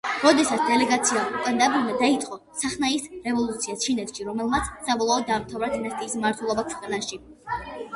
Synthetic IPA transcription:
ɾɔd̪ɛsat̪sʰd̪ɛlɛɡat̪sʰiaukʼɛnd̪abuɾmad̪ait̪sʼqʼɔ | saχnaisɾɛvɔlˠut̪sʰiast͡ʃʰinɛt̪ʃiɾɔmɛlˠmat̪sʰsabɔlˠaɔd̪̚ːaːmt̪ʰavɾad̪inast̪ʼiːsmaɾt̪ʰwɛlˠɔbakʰwɛqʼanaʃi

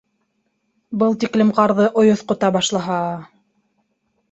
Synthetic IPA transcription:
bɤlˠt̪iklɘmqɑɾðɤʔŏjŏθqŏt̪ɑbɑʃlˠɑɦɑ

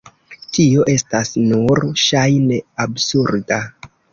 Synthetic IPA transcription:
tio̞ʔe̞stasnuɾʃajne̞absuɾda

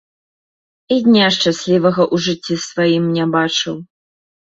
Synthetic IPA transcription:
id̪ʲnʲaʂt͡ʂasʲlʲivɐɣɐʔuʐɨt͡sʲːisvajimnʲɛbat͡ʂɨw

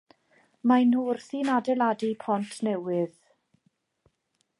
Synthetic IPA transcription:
majnuːrθiːnadɛlˠadipʰɔntʰnɛwɪð

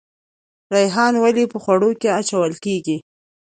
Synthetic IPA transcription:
ɾajɦɑnwalipəxwaɽokeat͡ʃawəlkeɡi

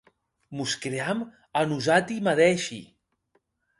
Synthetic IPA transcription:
muskɾeam | anuzat̪imaðɛʃḭ

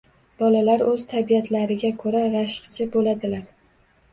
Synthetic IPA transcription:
b̥ɒlalaɾɵz̥t̪ʰabiat̪ʰlaɾɪɡʲakʰɵɾaɾaʃkt͡ʃʰɪbolad̪ɪlaɾ

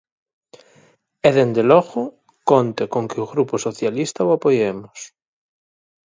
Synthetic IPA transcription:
eðend̪eloɣʊ | kont̪ekoŋkeuɣɾuposoθjalist̪awapojemʊs

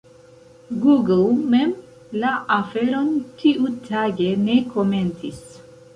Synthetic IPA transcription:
ɡuɡlmem | laʔafeɾo̞ntʰiʔutʰaɡe̞ne̞kʰome̞ntis

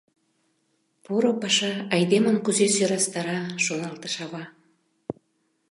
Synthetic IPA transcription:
puɾopɑʃɑɑjd̪eməmkuzesøɾɑst̪ɑɾɑʃonɑlt̪ə̥ʃɑβɑ

